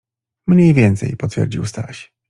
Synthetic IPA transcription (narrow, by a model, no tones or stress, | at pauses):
mɲejvʲjɛnt̪sɛ̰jpɔt̪fʲjɛ̰ɾd͡ʑiwst̪a̰ɕ